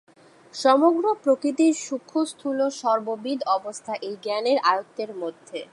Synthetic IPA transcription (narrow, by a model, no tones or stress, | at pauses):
ʃɔmoɡɾopɾokɾit̪̬iʃukʰːost̪ʰuloʃɔɾbobid̪ʱɔbost̪ʰaʔejɡɛneɾajot̪ːeɾmod̪ʱːe